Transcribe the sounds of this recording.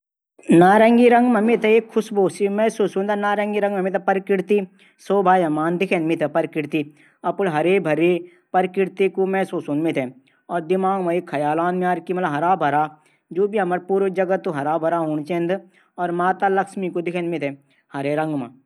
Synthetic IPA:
naːɾɐ̃ŋɡiɾɐ̃ŋɡmɐmit̪ʰɐeːkʰːʊsboːsimɛ̃soːsunt̪ɐnaːɾɐŋɡiɾɐ̃ŋɡmɐmit̪ʰɐpɐɾkɪɾt̪i | soːbʱaːjɐmaːnd̪ɪkʰẽnmit̪ʰepɐɾkɪɾt̪i | ɐpʊɽɦɐɾeːbʱɐɾe | pɐɾkɪɾt̪ikumɛ̃soːsunmit̪ʰɛ | ɔːɾd̪ɪmaːŋmɐikʰːɐjaːlaːnmaːɾkimɐlɐbɦɐɾaːbʱɐɾaː | d͡ʒoːbʱiɦɐmɐɾpuːɾʋd͡ʒɐɡət̪ːoɦɐɾaːbʱɐɾaːɦʊɳ̃t͡ʃẽːnd̪ | ɔːɾmaːt̪alɐkʃmikod̪ɪkʰẽnmit̪ʰɛ | hɐɾeɾɐ̃ŋɡma̰

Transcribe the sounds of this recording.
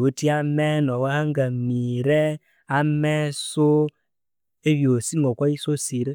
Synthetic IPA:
otiamɛnɔwaaŋɡamiɾɛ | amɛso | eβjosiŋɡɔkwaisosiɾe

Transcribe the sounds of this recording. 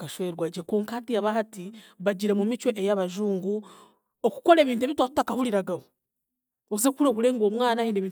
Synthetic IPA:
kaʃwe̞ɾwaːɟekoːŋkaːtijaβahatiβaɟiɾemumit͡ʃo̞ʔejaβaʒuːŋɡu | oku̥ko̞ɾeːβiːnt̬ueβitwatu̥takahuliɾaɡaho | ozekuɾokule̞ːŋɡo̞ːmwaːnaheːndeβiːn

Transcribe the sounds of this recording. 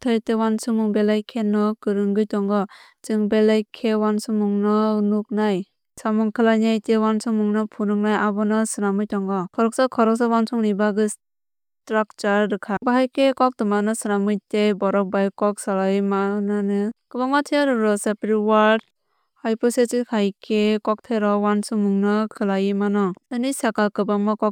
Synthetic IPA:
tʰɯjtɯwansɯmɯŋbelajkʰenːɔkɯɾɯŋɡɯjtɔŋɡɔ | t͡ʃɯŋbelajkʰewansɯmuŋnɔnuk̚naj | samuŋkʰɯlajnajtewansɯmuŋnɔpʰunɯŋ̚najabɔnɔsɯnamɯjtɔŋɡɔkʰɔɾɔk̚sakʰɔɾɔk̚sawansʰɔŋnibaɡɯs | tɾak̚t͡ʃaɾdɯkʰabaɦajkekɔk̚dɯmanɯsɯnamɯjtebɔɾɔk̚bajkɔk̚salajmaɯnanɯkɯbaŋmatʰiaɾɯɾɔsepɾiwaɾd | hajpɔsetikʰajkʰekɔk̚tʰeɾɔwansɯmuŋnɔkʰɯlajimanɔɯnisakakɯbaŋmɔkɔk

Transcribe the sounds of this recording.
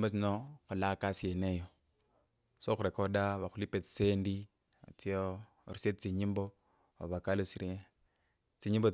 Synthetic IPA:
mbot͡sinoxulakasienejo | soxuɾekodaβaxulipet͡si̥sendḭ | t͡sio | ɾiset͡siɲimbo | o̰βakalosiɾi | t͡siɲimbo

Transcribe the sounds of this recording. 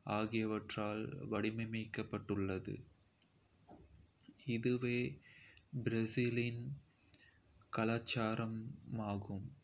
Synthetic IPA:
aːɣɪjɐʋɐʈraːlʋɐɽɪmɐɪmɐɪkːɐpːɐʈːɯɭːɐðɯ̰ | ɪðɯʋeː | bɪɾɛsilɪn | kɐlaːt͡ʃːaːɾɐmaːɣɯm

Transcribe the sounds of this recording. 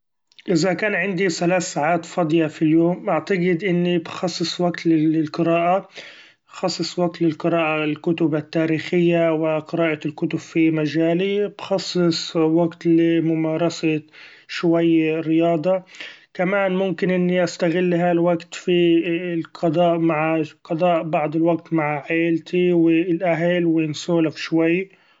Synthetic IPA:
ʔɪzakaːnʕɪnd̪iθalaːθːaːʕaːt̪fɑd̪ˤjɑfiljoːmʔaʕt̪aɡɪd̪ʔɪnːibxɑsˤːɨsˤwaɡt̪lɪɪlqɨɾaːʔa | xɑsˤːɨsˤwaɡ̚t̪lɪlqɨɾaːʔalkʊt̪ʊbat̪ːaːɾiːxɪjːawɪqɨɾaːʔɑlkʊt̪ʊb̥fimad͡ʒaːlib̥xɑsˤːɨsˤwaɡt̪lɪmʊmɑːɾˤɑsa | ʃwajːɾɪjɑːd̪ˤɑkamaːnmʊmkɪnʔɪnːiʔast̪aɣɪlːɦalwaɡt̪filqɑd̪ˤɑːʔmaʕqɑd̪ˤɑːʔbɑʕd̪ˤɪlwaɡt̪maʕʕeːlt̪ʰiwɪlʔaɦlwnsoːlafʃwajː

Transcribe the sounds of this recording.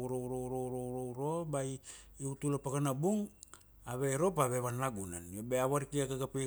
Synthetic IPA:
uɾouɾoɾouɾoɾouɾo̞bajiutulapakanabuŋ | aβe̞ɾo̞paβe̞βanlaɡuna̰nobeaβaɾikiakaɡapi

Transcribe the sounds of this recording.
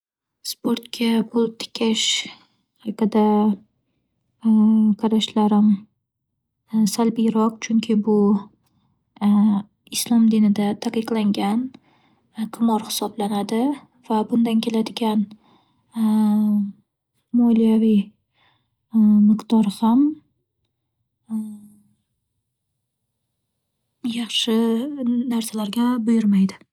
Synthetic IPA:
spʰoɾt̪kʲʰabʊlˠt̪ʰɪ̥kʲʰaʃ | ɑqɨd̪a | qʰɑɾaʃlaɾɪm | salbijɾɒq̚t͡ʃʰʊŋkʲʰɪbʊ | ɪslˠɒmd̪inɪd̪at̪ʰaqɨqlˠaŋɡʲan | qʰʊmɒɾhɪ̥sɒblanad̪ɪ | vabʊnd̪ankʲʰe̞lad̪ɪɡʲan | mɒlijavi | mɪqd̪̥ɒɾham | jɑχʃɪnaɾsalaɾɡʲabʊjɪɾmajd̪ɪ

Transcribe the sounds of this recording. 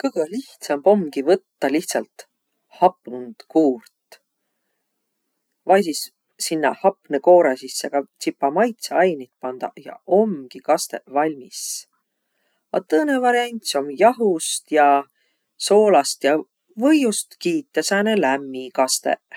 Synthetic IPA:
kɤjɡ̥ɤliht̪sɑmbo̞mɡivɤt̪ːɑliht̪sɑlt̪ | hɑpˑnund̪̥kuːrt̪ | vɑjsisː | inːɑ̰hɑpˑneko̞ːɾɑsisːe̞ɡ̥ɑt̪sipːˑɑmɑjt̪seɑjnit̪̚pɑnd̪̥ɑ̰jɑ̰o̞mɡ̥ikɑst̪e̞̰ʔvɑlʲmis | ɑ̰t̪ɤːne̞vɑɾiɑnʲt̪so̞mjɑɦust̪jɑ | so̞ːlɑst̪jɑ | vɤjust̪kiːt̪ˑːesænelæmːikɑst̪ḛʔ

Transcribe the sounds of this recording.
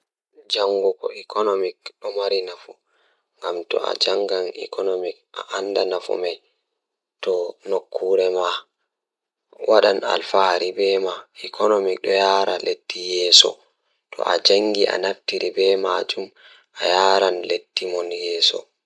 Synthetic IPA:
d͡ʒaŋɡukɔikʰɔnomikɗɔmaɾinafu | ŋɡamtɔ̰a̰d͡ʒaŋɡanḭkɔnomik̚a̰ʔandanafṵmaj | tɔnokʰːuːɾɛma | waɗana̰lfaɾibɛmaikʰɔnomik̚ɗɔjaːɾaled̥ːijɛːsɔ̰ | tɔ̰ʔad͡ʒaŋɡiʔa̰naftiɾibɛmad͡ʒum | ʔajaɾanled̥ːimɔnjɛːsɔ̰

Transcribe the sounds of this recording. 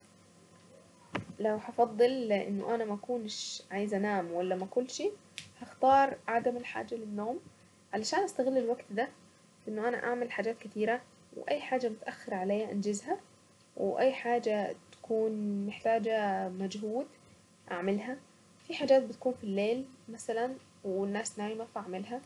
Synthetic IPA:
lawhɑfɑd̪ˤːɨlɪʔɪ̰nːʊ̰ʔanamaʔakuːnʃʕajzʔanaːmwalːamakʊlːʃiː | haxt̪ɑːɾˤʕad̪amɪlħa̰ːd͡ʒalɪnːoːm | ʕalaʃaːnʔast̪aɣɪlːɪlwaɡt̪d̪a | fʔɪnːʊʔana̰ʔaʕmɪlħaːd͡ʒaːt̪kɪt̪iːɾa | w̰ʔajːħaːd͡ʒamʊt̪ʔaxːɪɾˤʕalejaʔand͡ʒɪzha | wʔajːħaːd͡ʒat̪ḁkuːnmɪħt̪aːd͡ʒamad͡ʒɦuːd̪ | ʔaʕmɪlɦa | fiħaːd͡ʒaːt̪̚bɪt̪ḁkuːnfilːeːlmasalan | wɪnːaːsnaːjɪmafʔaʕmɪlɦa

